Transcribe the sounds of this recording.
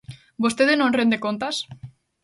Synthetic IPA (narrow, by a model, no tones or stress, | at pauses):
bost̪eðenõnrend̪ekont̪as